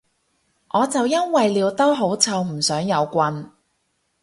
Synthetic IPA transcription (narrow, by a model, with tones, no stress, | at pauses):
ʔɔː˨˧t͡sɐ˨wjɐ˥nwɐ˨jliː˨˧wt̪ɐ˥wɦo˨˥wt͡sʰɐ˧wm̩˨˩sœː˨˥ŋjɐ˨˧wkʷɐ˧n